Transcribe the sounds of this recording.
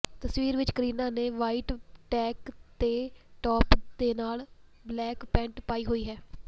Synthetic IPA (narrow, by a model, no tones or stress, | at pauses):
t̪əsʋiːɾʋɪt͡ʃkəɾiːnãːneːʋaːiːʈʈɛːkt̪eːʈɔːpd̪eːnaːl | blɛːkpɛ̃ːɳʈpaːiːɦoːiːɦɛː